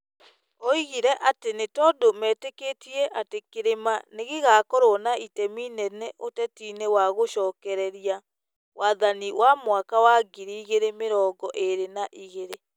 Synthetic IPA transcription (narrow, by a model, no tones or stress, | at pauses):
ɔiɣiɾɛʔatenetɔdomɛːtekeːtiɛʔatekeɾemaneɣeɣaːkoɾɔnaitɛminɛnɛʔotɛtiːnewaɣoʃɔːkɛɾɛɾia | wʔaːðaniwamwakawaɡiɾiːɣeɾemeɾɔːŋɡɔʔeɾenaʔiɣeɾe